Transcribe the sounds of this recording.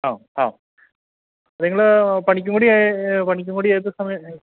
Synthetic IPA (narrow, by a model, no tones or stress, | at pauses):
aːaː | ɐðeŋːɐɭpɐɳik̬ʲːuŋɡuɽijapɐɳikʲːuŋkuɽijaːjt̪̬ːɨsɐmɐjɐ